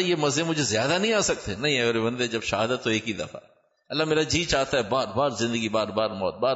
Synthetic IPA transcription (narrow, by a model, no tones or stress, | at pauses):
jeːmɐzẽmʊd͡ʒʱezɪjaːd̪anɐɦĩaːsɐk̚t̪enɐɦĩɛɡəɾebɐ̃nd̪ed͡ʒɐbʃɐɦaːd̪ət̪ːoeːkid̪ɐ̰fa̰ | ɐlːameːɾad͡ʒiːt͡ʃaːt̪aɦɛbaːɾbaːɾzɪ̃nd̪əɡibaːɾbaːɾmɔ̰ːt̪̚baːɾ